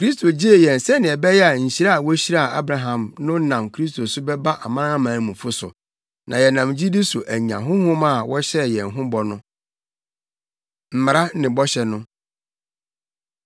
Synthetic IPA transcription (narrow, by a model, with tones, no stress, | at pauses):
kʰɾi˦s̬tʰo˨d͡ʑi˦e˨jɛ̃˨n˨sɛ˦nɪ̃˨ɛ˨bɛ˦jɛ˦a˨ɲ̩˨ɕi˦ɾa˦a˨wɔ˦ɕi˦ɾa˦a˨ʔa̰˦bɾa˨ɦã˨mnʊ̃˦nã˨mkʰɾi˦s̬tʰo˨sʊ˦bɛ˦ba˦ʔa˨mã˦ã˦mãː˨˦mũ˨fʊ˦sʊ̰˨ | nã˨jɛ˨nã˨md͡ʑi˦di˦sʊ˨ʔæ˨ɲ˨ã̰˨ɦʊ̃˦hʊ̃˦mã˦˨wɔ˦ɕɛ˦˨jɛ̃˨n˨ɦʊ̃˦bɔ˨nʊ̃˦ | m̩˨m˨ɾa˦nɪ̃˨bɔ˦ɕɛ˨nʊ̃˦